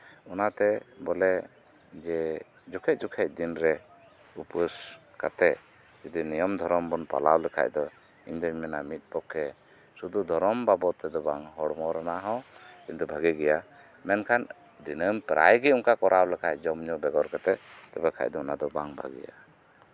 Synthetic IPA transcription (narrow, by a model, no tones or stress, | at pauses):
ɔnat̪ɛbɔlɛ | d͡ʒɛ | d͡ʒukʰɛc̚ˀd͡ʒukʰɛc̚ˀd̪inɾɛ | upəs | ka̰t̪ɛ | d͡ʒud̪inijɔmd̪ʱɔɾɔmbɔnpa̰lawlɛkʰa̰ʔd̪ɔ | iɲd̪ɔɲmɛnamit̪̚ˀpɔkʰːɛ | sud̪ud̪ʱɔɾɔmbabɔt̪ːɛd̪ɔbaŋɦɔɽmɔɾanaɦɔ̃kiɲt̪ubʱəɡɛɡɛja | mɛnkʰan | d̪inəmpɾa̰jɡɛuŋkakɔɾʔawlɛkʰajd͡ʒɔmɲɔbɛɡɔɾkat̪ɛt̪ɛbɛkʰa̰cd̪ɔɔnad̪ɔbaŋbʱə̰ɡḭja̰